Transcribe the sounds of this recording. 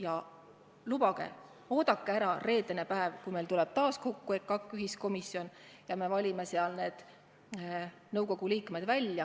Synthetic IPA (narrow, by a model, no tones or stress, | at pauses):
jɑ | lubɑɡ̥ḛ | o̞ːd̪ɑkːeæɾɑre̞ːd̪ene̞pæevkujme̞jlt̪ulɛb̥̚t̪ɑːsko̞kːuekkːɑkyɦisko̞misjo̞njɑme̞vɑlʲimeseɑlne̞ːd̪̥ | nɤwko̞ɡ̥uliːkme̞d̪̥vælʲjɑ